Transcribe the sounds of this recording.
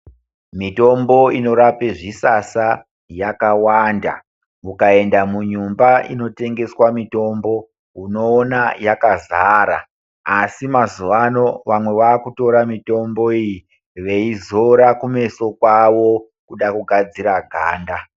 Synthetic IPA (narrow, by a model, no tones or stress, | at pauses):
mito̞mbo̞ino̞ɾapeʐisasa | jakawanda̰ | mukae̞ndamuɲumbaʔḭno̞te̞ŋɡe̞swamito̞mbo̞ | ɦuno̞ːnajakazaɾa̰ | asimazuʋano̞ʋamwe̞ʋaːkuto̞ɾamito̞mbo̞iji | ʋe̞izo̞ɾakume̞so̞kwaʋo̞ | kuɗakuɡʱad͡ziɾaɡʱa̰ːnda